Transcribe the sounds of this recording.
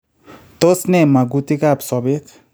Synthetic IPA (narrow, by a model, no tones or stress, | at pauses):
t̪osnemaɡut̪ikapsɔbek